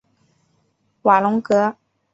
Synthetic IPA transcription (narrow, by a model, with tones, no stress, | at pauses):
wa˨˩lʊ˧˥ŋkɤ˧˥